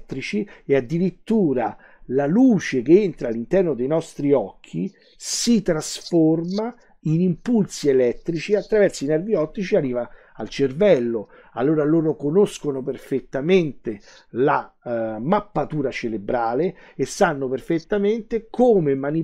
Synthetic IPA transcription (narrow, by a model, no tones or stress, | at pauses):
t̪ːɾit͡ʃiead̪ːiɾit̪ːuːɾa | laluːt͡ʃek̟eent̪ɾalːint̪ɛrnod̪ejnɔst̪ɾiɔkʰːi | sit̪ɾasforma | inimpulsielɛt̪ːɾit͡ʃiat̪ːɾavɛrsoinɛrviɔt̪ːɾit͡ʃiarːiːvaː | lt͡ʃervɛlːo | a̰lːoːɾaloːɾokonoskonoperfet̪ːament̪e | lamapːat̪uːɾat͡ʃelebɾaːleesːanːoperfet̪ːament̪ekoːmemani